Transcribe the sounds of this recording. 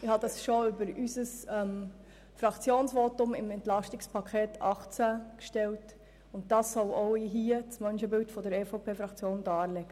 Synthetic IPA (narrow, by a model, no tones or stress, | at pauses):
ɪhɑd̪ɑsʃoʏbəɾysəsɛm | fɾɑkt͡sjoːnsʋoːtʊmɪmɛntlɑʃtɪkspʰɑkʰeːtʰɑχt͡sækʃtɛlt | ʊntd̥ɑsːɔloʊɪɦiət͡smœnʃəbɪltfɔdəɾɛfoʊpʰeːfɾɑkt͡sjoːndɑːɾlɛɡ̥ə